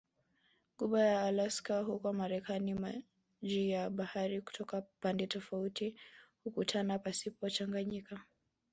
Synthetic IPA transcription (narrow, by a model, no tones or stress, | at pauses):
ɠuɓajaːlaskaɦukɔmaɾɛkanima | ʄijaɓahaɾiku̥tʰɔkapandɛtɔfautihukutʰanapasipɔt͡ʃaŋɡaɲika